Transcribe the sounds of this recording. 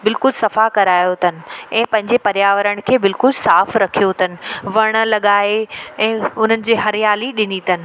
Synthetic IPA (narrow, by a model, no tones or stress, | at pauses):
bɪlkʊlsɐfakɐɾaːjot̪ʰɐnɪ̆ɛ̃ːpɐ̃ɦɪ̃ɲd͡ʑepɐɾjaːʋəɾəɽ̃̆kʰeːbɪlkʊlsaːfɾɐkʰijot̪ʰɐnɪ̆ʋɐɽ̃̆lɐɠaːeɛ̃ːʊn̤ənɪ̆d͡ʑeːɦɐɾɪjaːliɗɪnit̪ʰɐnɪ̆